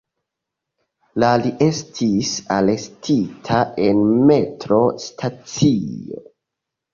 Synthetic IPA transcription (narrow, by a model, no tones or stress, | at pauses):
laliʔe̞stʰisale̞stʰitʰaʔe̞nme̞tɾo̞stʰat͡sio̰